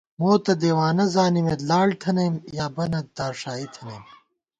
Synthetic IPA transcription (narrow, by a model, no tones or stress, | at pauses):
moːt̪ɐd̪eːwaːnɐzaːnimelaːɽt̪ʰɐnɐjmjaːbɐnɐd̪aːɾʂaːit̪ʰɐnɐjm